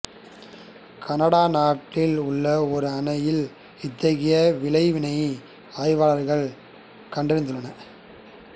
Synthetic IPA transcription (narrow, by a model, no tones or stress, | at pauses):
kʰɐnɐɽaːnaːʈːɪlʊɭːɐɔɾɯɐnɐjɪl | ɪt̪ːɐɣɪjɐʋɪlɐɪʋɪnɐɪ | aːɪʋaːlɐɾɣɐɭ | kɐɳɖɪɾɪnd̪ɯɭːɐnɐ